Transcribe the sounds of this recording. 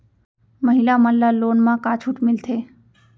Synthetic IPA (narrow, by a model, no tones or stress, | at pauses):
məɦɪlaməllːaloːnmãkaːt͡ʃʰuʈmɪlt̪ʰeː